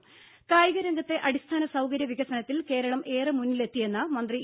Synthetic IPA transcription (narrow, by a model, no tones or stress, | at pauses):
kaːjiɣɐɾɐŋɡɐt̪ːe̞ʔɐɽist̪ʰaːnɐsɐwkɐɾjɐʋiɣɐsɐnɐt̪ːilke̞ːɾɐɭɐmʔe̞ːrɨmunːile̞t̪ːije̞nːɐmɐnd̪ri